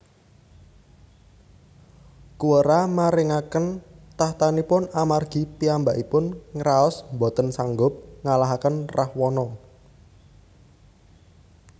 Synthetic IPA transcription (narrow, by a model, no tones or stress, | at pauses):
kuwəɾamaɾɪŋakənt̪aht̪anipʊnamarɡ̥i̤piambaʔipʊnŋəɾaɔsmbɔ̤t̪ənsaŋɡʊp̚ŋalaɦakənrʔahwɔnɔ